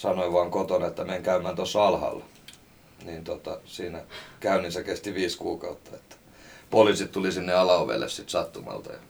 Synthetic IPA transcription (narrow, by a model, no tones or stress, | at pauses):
sɑnoiʋɑːŋkot̪onɑet̪ːæmeŋkæymæːnt̪osːɑlhɑ̰lː | niːnt̪ot̪ɑsiːnækæyninsekest̪iʋiːskuːkɑut̪ːɑ̥et̪ːæ̥ | poliˑsit̪t̪ulisinːeɑlɑoʋḛlːḛssit̪sɑt̪ːumɑ̰lt̪ɑ̰jɑ